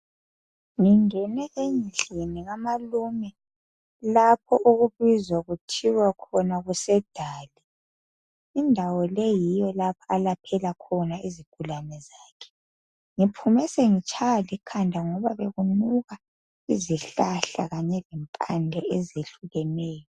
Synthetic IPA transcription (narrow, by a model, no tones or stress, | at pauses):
ŋiŋɛnɛʔeɲiɬeniɣamalumɛ | lap̚ʰɔʔuɣuβizwaɣutʰiwakʰɔnaɣusɛd̥ʱaːlɛ | indʱawɔlɛjijɔlapʰaalapʰɛlakʰɔnaiziɡ̥ʱulanɛzaːkʰɛ̥ | ŋipʰumɛseŋit͡ʃʼʰaɣalikʰandʱaŋɔβaβeɣunuɣa | iziɬaɬa̰ɣaɲɛlɛmpʼandʱɛezeɬuɣɛnɛːjɔ